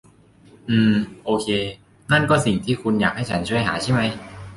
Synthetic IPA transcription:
ʔɯː˧mʔoː˧kʰeː˧ | na˥˩nkɔː˥˩si˨˩ŋt̪ʰiː˥˩kʰu˧njaː˨˩k̚ha˥˩jt͡ɕʰa˦˥nt͡ɕʰu˥˩əjɦaː˩˦t͡ɕʰa˥˩jma˦˥j

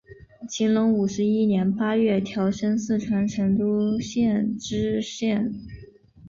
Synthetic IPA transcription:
t͡ɕʰi˧˥ŋlʊ˧˥ŋu˨˩ʂɻ̩˧˥i˥njɛ˧˥npa˥ɥɛ˥˩t̪ʰjɑ˧˥ʊʂə˥nsɹ̩˥˩ʈ͡ʂʰwa˧˥nʈ͡ʂʰə˧˥nt̪u˥ɕjɛ˥˧nʈ͡ʂɻ̩˥ɕjɛ˥˩n

